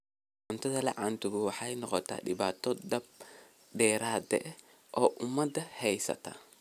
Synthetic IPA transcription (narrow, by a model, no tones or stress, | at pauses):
ʕʊnt̪ʰɐðɐlɐ̰ʕaːnt̪ʊɣʊwɑħɑjnɔqɔt̪ʰa̰ːdɪβaːt̪ʰɔd̪ɐb̚ | dɛːɾaːd̪ɛʔ | ʔɔːʔʊmɐd̪ɐhɛjsɐ̰t̪ʰa̰